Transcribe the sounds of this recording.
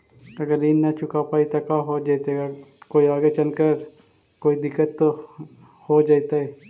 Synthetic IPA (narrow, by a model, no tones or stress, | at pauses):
ɐɡəɾiːnːɐt͡ʃʊkapaːit̪ɐkaɦod͡ʒaːt̪eɡakoːiaːɡet͡ʃɐnkəɾ | koːid̪ɪkːət̪ːo | hod͡ʒaːit̪aɦɛ